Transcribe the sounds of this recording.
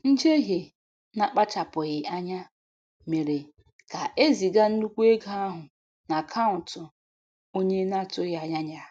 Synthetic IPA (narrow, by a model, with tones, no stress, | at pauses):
n̩˦d͡ʒe˦ɦe˨ | na˨k͡pa˦t͡ʃa˨pʊ˨ɣɪ˨a˦ɲa˦ | me˨ɾe˨ | ka˨ʔe˦zi˨ɡa˦n̩˦nu˦kʷu˦e˦ɡa˦a˦ɦʊ˨ | na˨kʰa˦ʊ˨tʊ˨ | o˦ɲe˦na˦˨tʊ˦ɣa˦ɲa˦ɲa˦